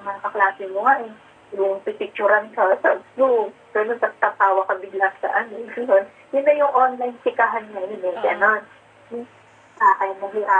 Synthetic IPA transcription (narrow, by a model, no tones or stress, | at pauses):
mɐkɐklaːsɪmʊŋaʔɛ | jʊʔŋpipɪk̚t͡ʃuɾɐnkɐsɐsd̪u | ɡ̥ɐnont̪ɐɡ̚t̪ɐp̪aːwɐkɐbɪɡlat̪sɐ̰ʔɐnoɡɐnon | jʊnːɐjʊŋʔonlajnsɪkaɦɐnɲajʊnɛɡɐnon | aʔɐjmɐɦɪa